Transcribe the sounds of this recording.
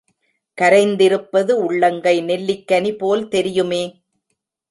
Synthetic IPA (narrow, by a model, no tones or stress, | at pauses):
kɐɾɐɪnd̪ɪɾɯpːɐðɯʊɭːɐŋɡɐɪnɛlːɪkːɐnipoːlt̪ɛɾɪjɯmeː